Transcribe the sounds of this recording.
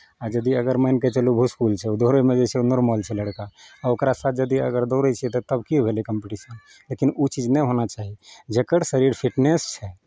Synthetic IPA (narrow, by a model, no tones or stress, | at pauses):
ad͡ʒəd̪iəɡəɾməɪnket͡ʃəlubʱuskult͡ʃʰɛud̪oɦɾemed͡ʒɛt͡ʃʰɛunɔɾməlt͡ʃʰɛləɽkaːokɾasat̪̚ʰd͡ʒəd̪iə̰ɡəɾd̪oɾɛt͡ʃʰɛt̪ɔt̪əbkibʱelikəmpiʈisən | lekinut͡ʃid͡ʒnɛɦonat͡ʃaɦid͡ʒekəɾsəɾiɾpʰiʈnest͡ʃʰɛ